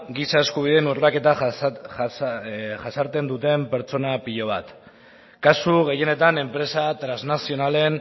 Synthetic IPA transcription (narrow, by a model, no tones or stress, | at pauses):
ɡisae̞skuβ̞iðenurlake̞t̪a | ʝasaɾt̪e̞nd̪ut̪e̞mpe̞ɾt͡so̞napiʎo̞β̞at̪ | kasuɣ̞e̞je̞ne̞t̪ane̞mpɾe̞sat̪ɾaznasio̞nale̞n